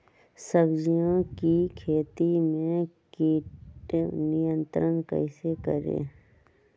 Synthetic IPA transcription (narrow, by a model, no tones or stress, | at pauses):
səbd͡ʒijõkikʰeːt̪imẽkeːʈnɪjə̃nt̪ɾənkə̰ɪsekə̰ɾḛ̃ː